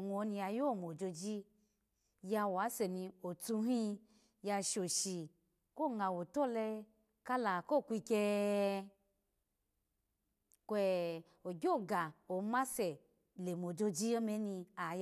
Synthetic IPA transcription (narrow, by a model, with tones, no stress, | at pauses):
ŋu˨˧o˨˧˦nĩ˧a˧jo˦˨mo˨d͡ʒo˧d͡ʒi˦ | ja˧wa˨˦sɛ˨nĩ˧o˨tu˧˦ɦĩ˧ | ja˧ʃo˨ʃi˨ | ko˦˨ŋa˨wo˨to˦˨lɛ˧ | ka˦la˨ko˦˨kʷi˧kɛ˧ | kʷɛ˧ | o˨ɡʲo˦˨ɡa˨o˨˦ma˦sɛ˨ | le˨mo˨d͡ʒo˧d͡ʒi˦ɔ˦mɛ˨˦nĩ˧a˨j